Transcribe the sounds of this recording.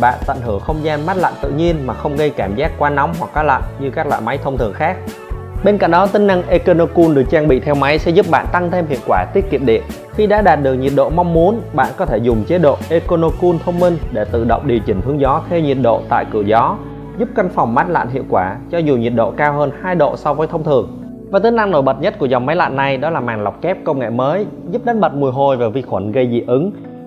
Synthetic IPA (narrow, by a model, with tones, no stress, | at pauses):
ɓa̰ː˧˨nt̪ə̰˧˨nɦɨ˧˩əŋxə˧wŋ͡mzaː˧nma˦˥t̚la̰˧˨nt̪ɨ̰˧˨ɲi˧ənmaː˨˩xə˧wŋ͡mɣə˧jkaː˧˩mzaː˦˥kkːwaː˧na˨˦wŋ͡mɦwa˨˩k̚ːaː˨˦la̰˧˨jnɲɨ˧kaː˦˥k̚lwa̰ː˧˨jma˨˦jt̪ʰə˧wŋ͡mt̪ʰɨ̰˨˧˩əŋxaː˦˥k̚ | ɓe˧nka̰˧˩ŋɗɔ˨˦t̪ï˨˦ŋna˧ŋʔe˧ko˧no˧ku˧nɗɨ˨˩ək̚t͡ɕaː˧ŋɓḭ˧˨t̪ʰɛ˧wma˨˦jsɛ̰˧˥zu˦˥p̚ɓa̰ː˧˨nt̪a˧ŋt̪ʰe˧mhḭ˧˨əwkwaː˧˩t̪i˦˥ət̚ki˨˩p̚ɗḭ˧˨ən | xi˧ɗa̰ː˧˥ɗaː˨˩t̚ɗɨ˨˩ək̚ɲi˨˩ət̚ɗo̰˧˨ma˧wŋ͡mmu˨˦ənɓa̰ː˧˨nkɔ˨˦t̪ʰe˧˩zʊ˨˩ŋ͡mt͡ɕe˨˦ɗo̰˧˨ʔe˧ko˧no˧ku˧nt̪ʰə˧wŋ͡mmï˧ŋɗe˧˩t̪ɨ̰˧˨ɗə̰˧˨wŋ͡m̚ɗi˨˩wt͡ɕï˧˩ŋ̟t̪ɨ˧əŋzɔ˨˦t̪ʰɛ˧wɲi˨˩t̚ɗo̰˧˨t̪a̰ː˧˨jkɨ˧˩əzɔ˨˦ | zu˦˥p̚ka˧ŋ̟fa˨˩wŋ͡mmaː˦˥t̚la̰ː˧˨nɦḭ˧˨əwkwaː˧˩t͡ɕɔ˧zu˨˩ɲi˨˩ət̚ɗo̰˧˨kaː˧whəː˧nhaː˧jɗo̰˧˨sɔ˧wvəː˨˦jt̪ʰə˧wŋ͡mt̪ʰɨ˨˩əŋ | vaː˨˩t̪ɨ˨˦na˧ŋno˧˩jɓə˨˩t̚ɲə˦˥t̚ku˧˩əza˨˩wŋ͡mma˨˦jla̰ː˧˨nːa˨˩jɗɔ˨˦laː˨˩maː˨˩ŋla˨˩wk͡p̚kɛ˦˥p̚kə˧wŋ͡mŋḛ˧˨məː˨˦j | zu˦˥p̚ɗə˨˦nɓə˨˩t̚mu˨˩əjɦo˨˩jvaː˨˩vi˧˩xwə˧˩nɣə˧jzḭ˧˨ʔɨ˨˦ŋ